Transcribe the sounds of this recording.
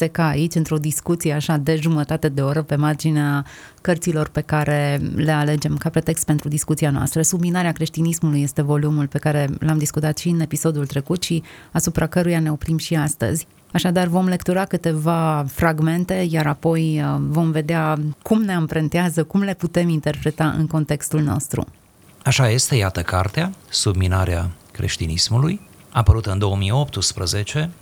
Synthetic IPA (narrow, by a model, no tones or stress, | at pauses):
sekaːit͡ʃʲɨnt̪ɾo̞d̪iskut̪sije̞aʃad̪e̞ʒumət̪at̪e̞d̪e̞o̞ɾəpe̞mard͡ʒinea | kərt̪silo̞rpe̞kaɾʔe̞le̞ale̞d͡ʒe̞mkapɾe̞t̪e̞kst̪pe̞nt̪ɾud̪iskut̪sianoa̰st̪ɾəsubminaɾeakɾe̞ʃt̪inismuluje̞st̪e̞vo̞lumulpe̞kaɾe̞lamd̪iskut̪at̪ʃiɨne̞piso̞d̪ult̪ɾe̞kut̪ʃiasupɾʔakəɾujane̞o̞pɾimʃiast̪ə̰zʲ | aʃad̪arvo̞mle̞kt̪uɾakɨt̪e̞vafɾaɡme̞nt̪e̞jaɾapo̞jvo̞mve̞d̪eakumne̞ampɾent̪eazəkumle̞put̪e̞mint̪e̞rpɾe̞t̪aʔɨ̰ŋko̞nt̪e̞kst̪ulno̞̰st̪ɾṵ | aʃaje̞st̪e̞jat̪əkart̪easubminaɾeakɾe̞̰ʃt̪inismulujapəɾut̪ɨnd̪o̞əmijo̞pt̪ɨspɾəze̞t͡ʃe̞